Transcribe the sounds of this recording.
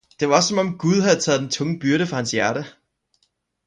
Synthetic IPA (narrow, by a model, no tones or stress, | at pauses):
d̥e̝ʋɑ̈ɒsːɒ̽mɒ̽mɡ̥uð̞ˠɦæð̩ˠt͡sʰɛ̰ːðˠd̥ent͡sʰɔ̽ŋəb̥yɐɾəfʁɑ̈hænsjæɐɾ̥ə